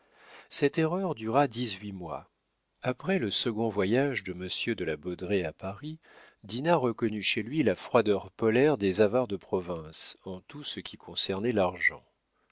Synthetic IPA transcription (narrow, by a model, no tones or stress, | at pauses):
sɛt̪eʁœʁd̪yʁad̪izɥimwa̰ | apχɛləsəɡɔ̃vwajaʒd̪əməsjød̪əlabɔd̪ʁeapaʁi | d̪inaʁəkɔnyʃelɥilafχwad̪œʁpɔlɛʁd̪ezavaʁd̪əpχɔvɛ̃sɑ̃t̪usəkʲikʰɔ̃sɛʁnɛlaʁʒɑ̰̃